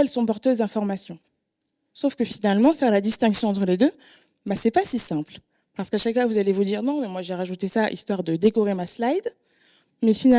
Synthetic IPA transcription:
ɛlsɔ̃pɔʁt̪øzd̪ɛ̃fɔʁmasjɔ̃ | sofkəfinalmɑ̃fɛʁlad̪ist̪ɛ̃ksjɔ̃ɑ̃t̪χəled̪ø | basɛpasisɛ̃pl | paʁsə̥kaʃakfwavuzalevud̪iʁnɔ̃mɛmwaʒeʁaʒut̪esaʔḭst̪waʁd̪əd̪ekuʁemaslajd̪ | mɛfina

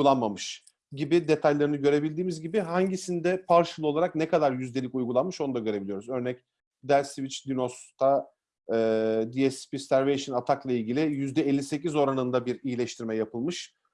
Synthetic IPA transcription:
ulˠanmamɯʃ | ɟibid̪e̞t̪ʰajlʲˠaɾɯnɯɟø̞ɾe̞bilʲd̪iːmizɟibɪɦaɲɟisind̪ɛpʰaɾʃɯlˠɯo̞lˠaɾak̚nɛkʰad̪aɾjyzd̪ʲeikujɡulˠanmɯʃo̞nud̪aɟø̞ɾe̞bilijo̞ɾuzø̞ɾnɛc̚ | d̪ælʲsivit͡ʃd̪ʲinost̪ʰaː | d̪iɛspisæɾvejʃɯnat̪ʰaklˠailʲɟilʲɪjyzd̪ɛelʲːise̞cizo̞ɾanɯnd̪abiɾijilʲɛʃt̪ʰiɾmɛjapʰɯlˠmɯʃ

